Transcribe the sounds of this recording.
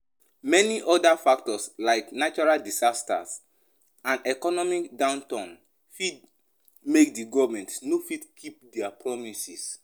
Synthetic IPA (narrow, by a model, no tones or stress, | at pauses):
mɛniʔɔdafak̚tɔslaɪknat͡ʃɔɹaldisasta̰s | ãnɛkɔnɔmikdãʊ̃ntãn | fid̚ | mek̚diɡɔvmɛ̃ntsnofidkʰip̚dɛapʰɹɔmisis